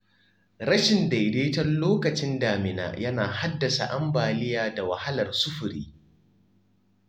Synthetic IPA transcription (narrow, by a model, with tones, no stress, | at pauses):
ɽɐ˦ʃɪ˨nda˨jdeː˦tɐ˦rloː˦kɐ˨t͡ʃɪ˦ndaː˨mɪ˨na̰ː˨jɐ˦na̰ː˨ha˦dːɐ˨sa̰˨ʔa˦mbaː˨lɪ˦jaː˨da˨wɐ˨ha˦lɐ˨rsʊ˦ɸʊ˨ɾiː˦